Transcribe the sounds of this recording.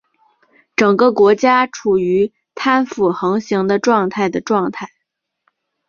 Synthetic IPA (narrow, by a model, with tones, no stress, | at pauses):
ʈ͡ʂɤ˨˩ŋɡə˦kwɔ˧˥t͡ɕja˥ʈ͡ʂʰu˨˩y˧˥ | t̪ʰa˥nfu˨˩xɤ˧˥ŋɕi˧˥ŋd̪ə˧ʈ͡ʂwɑ˥˧ŋt̪ʰa˥˩ɪd̪ə˩ʈ͡ʂwɑ˥˧ŋt̪ʰa˥˩ɪ